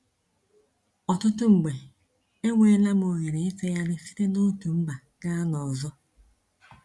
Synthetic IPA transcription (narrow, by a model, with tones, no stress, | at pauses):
ɔ˨tʊ˦tʊ˦ŋ͡m̩˨ɡ͡be˨ | e˦ŋʷe˦la˦m˦o˨ɲe˨ɾe˨e˦fe˦ja˦nɪ˦fi̥˦ɾe˦no˦tu˨m̩˦ba˨ | ɡa˦a˦nɔ˨zɔ˦